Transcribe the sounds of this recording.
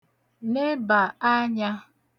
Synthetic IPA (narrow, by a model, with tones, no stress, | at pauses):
ne˦ba˨a˦ɲa˦